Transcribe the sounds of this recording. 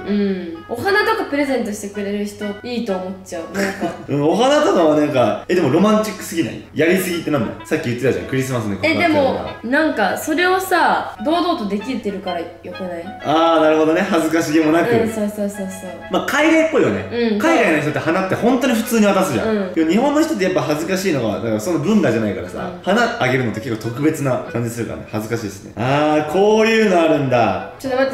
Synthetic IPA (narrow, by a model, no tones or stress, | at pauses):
ɯ̟̃o̞ɦanat̪o̞kapɯ̟ɾe̞zẽ̞nt̪oɕi̥t̪e̞kɯ̟ɾe̞ɾɯ̟çi̥t̪o̞iːt̪o̞ːmo̞tt͡ɕːaɯ̟nãŋkaɯ̟̃o̞ɦanat̪onoβanãŋka̰ed̪e̞mo̞ɾo̞mãɲt͡ɕikːɯ̥sɨɡʲina̰ḭjaɾʲisɨɡʲit̪ːenãn̰ːsakʲːijɯ̟t̪ːe̞t̪aʑã̰kɯ̟ɾʲisɨmasɨneked̪e̞mo̞̰nãŋkaso̞ɾe̞o̞sad̪o̞ːd̪o̞ːt̪o̞d̪e̞kʲiɾt̪ːeɾɯ̟kaɾa | jo̞kɯnai | aːnaɾɯ̟ho̞d̪o̞ne̞hazɨkaɕiɡimo̞nakɯ̟soːsoːsoːsoːmakʰaiɡaipːo̞ijane̞̰ɯ̟̃ɴkaiɡainoçit̪ot̪ːehanat̪ːehõ̞nt̪o̞ɲ̟iɸɯ̟t͡sɨːɲ̟iβat̪asɨʑã̰ɯ̟̃keɲ̟ihõ̞nːoçi̥t̪o̞t̪̬ːejapːaɦazɨkaɕiːno̞ɡaβa̰d̪akaɾso̞nːoɡɯ̟̃nd̪aʑanaikaɾasa̰hanaaɡe̞ɾɯ̟no̞t̪ːeke̞kːot̪o̞kɯ̟be̞t͡sɨnakãɲ̟d͡ʑisɨɾɯ̟ka̰nḛhazɨkaɕiːsɨnḛaːkʰo̞ːjɯ̟ːno̞aɾɯ̟̃nd̪a̰t͡ɕot̪ːoma